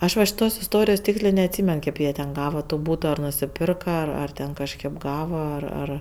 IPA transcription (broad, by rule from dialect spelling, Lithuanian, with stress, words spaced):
ˈɐʃ ʋɐ ʃʲɪˈtoːs ɪsˈtoːrʲɪjoːs ˈtʲiːksʲlʲeː nʲɛɐtʲˈsʲiːmʲɛn ˈkʲeːp jiɛ tʲɛn ˈɡɑːʋɐ toː ˈbuːtoː ɐr nʊsʲɪˈpʲɪrkɐ ɐr tʲɛn kɐʃʲˈkʲeːp ˈɡɑːʋoː ɐr ˈɐr